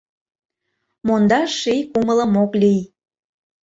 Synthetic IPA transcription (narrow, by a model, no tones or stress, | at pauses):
mond̪ɑʃijkumələmoklij